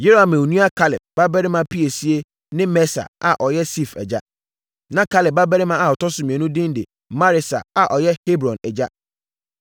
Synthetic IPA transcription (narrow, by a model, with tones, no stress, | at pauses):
je˦ɾo˦a˨mẽ˨u˨nũ˦a˦kʰa˦lɪ˨p̚ba˦bɛ˦ɾɪ˦mã˦pʰi˦e˨si˦e˦ | nɪ̃˦mɛ˦sa̰˨a̰˨ʔɔ˨jɛ˦si˦˨fɛ̰˨d͡ʑa̰˦ | nã˨kʰa˦lɪ˨p̚ba˦bɛ˦ɾɪ˦mã˦a˨ɔ˨tʰɔ˦sʊ˨˦mĩ˨ɛ˨nʊ̃˦dɪ̃˦n˦de˨ | ma˦ɾɪ˨sa̰˨a˨ʔɔ˨jɛ˦he˦bɾɔ̃˨nɛ˨d͡ʑa˦